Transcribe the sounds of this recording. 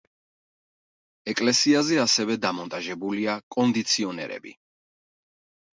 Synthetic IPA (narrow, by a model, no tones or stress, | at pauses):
ɛkʼlɛsiazɛasɛvɛd̪amɔnt̪ʼaʒɛbuliakʼɔnd̪it̪sʰiɔnɛ̰ɾɛ̰bḭ